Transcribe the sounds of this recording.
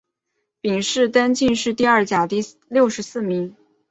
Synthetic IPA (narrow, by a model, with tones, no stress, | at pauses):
pi˨˩ŋʂɻ̩˥˩t̪a˥nt͡ɕi˥˧nʂɻ̩˥˧t̪i˥˧ɐ˞˥˩t͡ɕja˨˩t̪i˥˧ | ljo˥˩ʊʂɻ̩˧˥sɹ̩˥˩mi˧˥ŋ